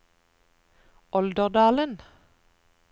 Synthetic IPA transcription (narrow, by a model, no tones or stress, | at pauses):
ɔld̪əʁd̪ɑːlən